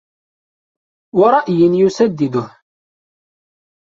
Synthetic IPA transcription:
wɑɾˤɑʔjənjusæd̪ːid̪ʊh

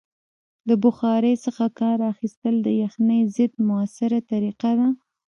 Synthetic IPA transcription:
ləbʊxɑɾəjsəxakɑɾaxist̪əld̪əjəxnəjzɪd̪mʊasɪɾat̪aɾiqad̪a

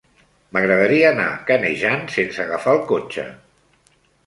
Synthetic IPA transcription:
məɣɾəðəɾiəːna̰kəneʒansensəɣafaəlˠkot͡ʃə̰

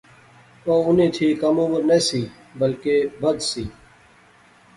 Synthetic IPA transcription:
oːʊnẽːt̪ʰiːkəmoːʋəɾneːsiː | bəlkeːbəd̪siː

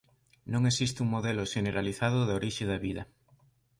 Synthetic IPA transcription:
nõŋesist̪uŋmoðeloʃeneɾaliθaðʊðoɾiʃeðɐβiðɐ

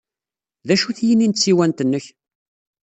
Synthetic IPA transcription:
ðæʃuθjənint̪t͡sːiwænt̪ənːəç

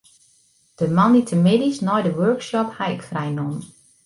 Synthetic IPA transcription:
d̥əmɑnditʰəmɪdisnɔjdəwɜɹkʃɔphajkfrajnɔm

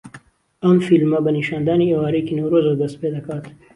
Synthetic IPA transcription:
ɐmfilmɐbɐniʃaːnd̪aːniewaːɾekinowɾoːzbɐd̪ɐst̪̚peːd̪ɐkaːt̪

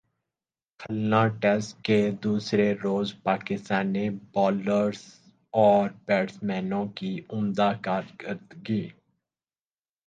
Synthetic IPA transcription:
kʰəlnãːʈɛsʈked̪uːsɾeɾoːzpaːkɪst̪aːniːbɔːləɾz | ɔːɾpɛːɖsmɛːnõːkiʊmd̪aːkaːɾkəɾt̪ɡiː

